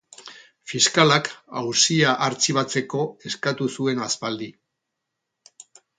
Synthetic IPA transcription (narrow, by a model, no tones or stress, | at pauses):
fiskalaka̰wsiaʔaɾt͡siβat͡se̞ko̞e̞skat̪usue̞naspald̪i